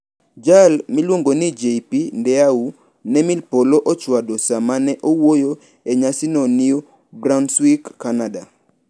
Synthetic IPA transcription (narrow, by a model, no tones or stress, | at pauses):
d͡ʒalmilwoŋɡonid͡ʒepindɛau | nɛmilpoloʔɔt͡ʃwadosamanɛʔowojo | ɛɲasinɔnio | bɾanswikkːanada